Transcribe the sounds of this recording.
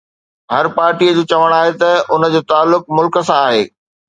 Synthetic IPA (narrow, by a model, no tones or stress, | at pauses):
ɦɐɾpaːɾʈiəd͡ʑoːt͡ɕɐʋəɽ̃aːɦet̪ɐʊnəd͡ʑoːt̪aːlːʊk̚mʊlkə̆sãaːɦeː